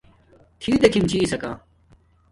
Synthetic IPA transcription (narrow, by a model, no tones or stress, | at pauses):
t̪ʰiːd̪ɐkʰimt͡ɕʰiːsɐka̰ː